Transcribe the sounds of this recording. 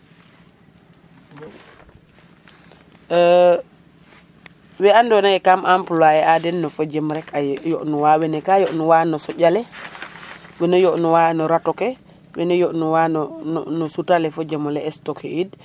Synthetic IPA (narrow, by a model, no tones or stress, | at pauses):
wɛandɔnajɛkamʔampulajɛʔadɛnːɔfɔd͡ʒɛmɾɛkajɔʔnɔwawɛnɛkajɔʔnɔwanɔsɔɟalɛ | wɛnɔjɔʔnɔwanɔɾatɔkɛ | wɛnɛjɔʔnuwannnɔsutalɛfɔd͡ʒɛmɔlɛɛstɔkʰɛ̰id